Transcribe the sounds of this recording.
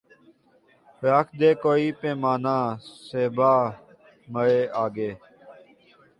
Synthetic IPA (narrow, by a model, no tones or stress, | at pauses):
pɾaːkʰd̪eːkoːiːpẽːmaːnãːseːbaː | məɭeːʔaːɡeː